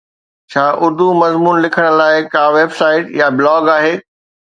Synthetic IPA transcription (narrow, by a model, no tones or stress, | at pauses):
t͡ɕʰaːʔʊɾd̪umɐzmuːnlɪkʰəɽ̃̆laːɪkaːʋeːbsaːɪʈjabɪlɔːɡaːɦeː